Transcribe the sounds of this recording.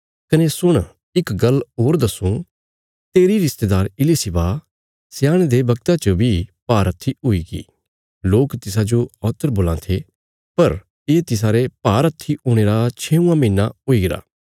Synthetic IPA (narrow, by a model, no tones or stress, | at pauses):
kɐnesʊɽ̃ | ɪkɡɐlɦoːɾd̪ɐsũ | t̪eːɾiɾɪst̪eːd̪aːɾɪlisɪba | sɪjaːɽ̃ed̪ebɐɡt̪at͡ʃəbʱipaːɾɐt̪ʰːiɦʊiːɡḭː | loːkt̪ɪs̬ad͡ʒoɔːt̪əɾboːlãt̪ʰe | pɐɾ | eːt̪ɪs̬aːɾepaːɾɐt̪ʰːioːɽ̃eːɾat͡ʃʰeːũːãmĩːnːaoiɡɪɾa̰ː